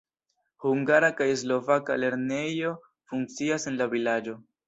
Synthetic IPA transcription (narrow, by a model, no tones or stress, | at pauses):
huŋɡaɾakajes̬lo̞vaka̰le̞ɾne̞jo̞ | fuŋk̚t͡siasenlavilad͡ʒo̞